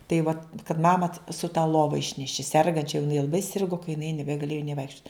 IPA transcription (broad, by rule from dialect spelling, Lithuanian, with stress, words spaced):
tɐɪ ˈʋɐ kɐt ˈmɑːmɐ sʊ tɐ ˈlˠoːʋɐ ˈɪʃʲnʲɛʃʲɪ ˈsʲɛrɡɐnʲt͡ʃʲɛ jɛʊ jɪˈnɐɪ lˠɐˈbɐɪ ˈsʲɪrɡʊ kɐ jɪˈnɐɪ nʲɛbʲɛɡɐˈlʲeːjʊ nʲeː ˈʋɐɪkʃʲt͡ʃʲʊt